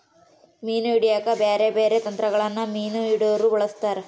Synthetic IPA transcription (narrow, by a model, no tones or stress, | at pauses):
miːnuiɽijaːkɐbeːɾebeːɾet̪ɐnt̪ɾɐɡɐɭɐnːɐmiːnuiɽoɾubɐɭɐst̪aːɾe